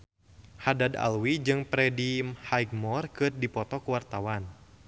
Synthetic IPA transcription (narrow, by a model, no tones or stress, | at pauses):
hadada̰lwid͡ʒɨŋpɾɛdimhajɡ̚mɔrkɨrdipɔt̪ɔkuwart̪awan